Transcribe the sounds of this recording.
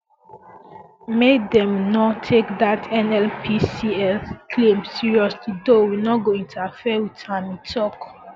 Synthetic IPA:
medɛ̃mnɔtʰekdatʰɛ̃nɛlpʰisiɛlkʰlẽmsiɹiɔslidowinɔɡoĩntʰafɛwitʰãmĩtʰɔk

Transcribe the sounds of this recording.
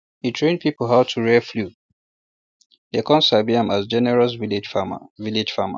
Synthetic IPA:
hitʰɹẽnd̚pʰipl̩ˠɦaʊtʰuɹɛflu | dekʰɔ̃nsabiãmasd͡ʒɛnɛɹɔs̬vilɪd͡ʒfa̰vilɪd͡ʒfama̰

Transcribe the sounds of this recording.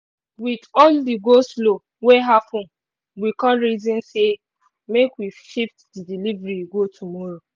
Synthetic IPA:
witɔldiɡostlo | weɦapʰɔ̃n | wikɔ̃nɾizĩnse | mekwiʃiftdidilivɾiɡotʰumɔɾo

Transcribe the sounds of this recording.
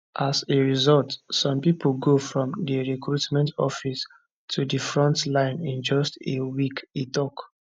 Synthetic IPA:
ʔaseɹizɔltsɔ̃mpiplɡofɹɔ̃mdiɹikɹutmɛ̃ntɔ̰fis | tʰudifɹɔ̃ntlãɪ̃nĩnd͡ʒɔstewikitɔk

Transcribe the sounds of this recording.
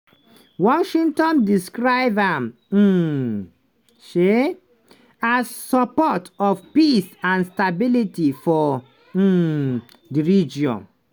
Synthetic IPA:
wɔʃĩŋtɔ̃ndiskɹaɪbãm̩ | ʃe | asːɔpɔtɔfpisãnstabilitifɔ | diɹid͡ʒiɔ̰̃n

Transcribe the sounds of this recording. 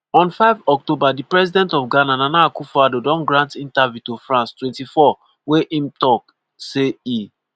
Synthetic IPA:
ɔ̃nfaɪvɔk̚tobadipɹɛzidɛ̃ntɔfɡanãnanakufadodɔ̃nɡɹãntĩntavjutofɹãnstwɛ̃ntifɔ | weʔĩmtɔk | sei

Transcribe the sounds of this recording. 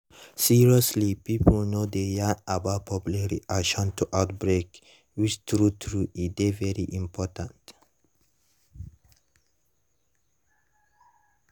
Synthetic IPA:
siɹiɔslipiplnod̪eaabat̚pʰɔpjlaɹḭʔakʃɔ̃ntʰuʔaʊt̚bɹek | wit͡ʃtɹutʰɹuʔidevɛɹiʔĩmpʰɔtʰãnt

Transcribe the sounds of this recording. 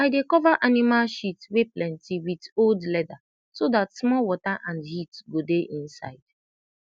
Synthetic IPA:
aɪdekɔvaʔanimalʃitweplɛ̃ntiwidoldlɛda | sodatsmɔlwɔtaʔãndhitɡodeʔĩnsa̰ɪd̥

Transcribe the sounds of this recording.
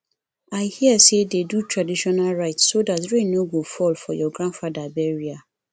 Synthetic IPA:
aɪhiəsededutʰɹadiʃɔnalɹaɪtssodatɹẽnoɡofɔlfɔjɔɡɹãndfadabɛɹia

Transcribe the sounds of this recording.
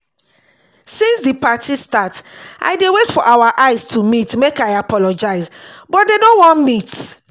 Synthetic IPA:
sĩnsdipatʰistatʔa̰ɪdewetfɔʔawaʔaɪstʰumitmekaɪapɔlɔd͡ʒaɪzbɔt̚denowɔ̃nmit

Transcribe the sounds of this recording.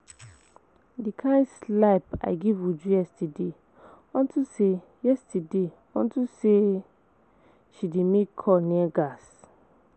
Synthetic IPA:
dikʰãɪ̃ndslaɪpa̰ɪɡivud͡ʒujɛstide | ɔ̃ntuse | jɛstade | ɔ̰̃ntuse | ʃidemekʰːɔniɛɡas

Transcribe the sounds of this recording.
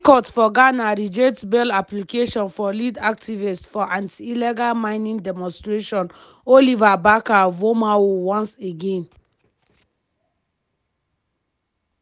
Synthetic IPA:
kɔtfɔɡanaɾid͡ʒetbɛlaplikeʃɔ̃nfɔlidak̚tʰivistfɔʔãntʰiːlɛɡalmãɪnĩŋdɛmɔ̃nstɹeʃɔ̃n | olivabakavomawowɔ̃nseɡẽn

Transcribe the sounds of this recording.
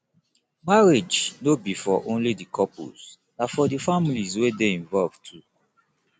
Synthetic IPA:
maɹed͡ʒnobifɔʔõnlidikʰɔpṵz | nafɔdifamilizwedeĩɱvɔlv̥tʰu

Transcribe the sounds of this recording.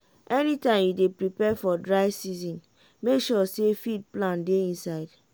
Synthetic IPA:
ʔɛnitãɪ̃mjudepɹipɛfɔdɹaɪsizɔ̃n | mekʃɔsefid̚plãndeĩnsaɪd̥

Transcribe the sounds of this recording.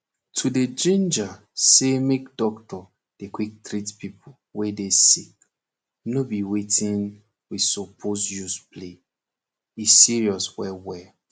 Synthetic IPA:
tʰuded͡ʒĩnd͡ʒa | semekdɔktɔ | d̥ekwik̚tɾitpipʰo | wedesik | nobiwetʰĩn | wisopʰosjusple | isiɹiɔswɛwɛ

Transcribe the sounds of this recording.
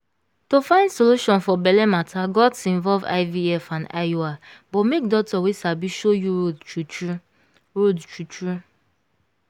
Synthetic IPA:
tofãɪ̃ndsoluʃɔ̃nfɔbɛlɛmatʰaɡɔtĩɱvɔlva̰ɪviɛfãna̰joabɔtmek̚dɔk̚tɔwesabiʃojuodt͡ʃu | ɹodt͡ʃut͡ʃu

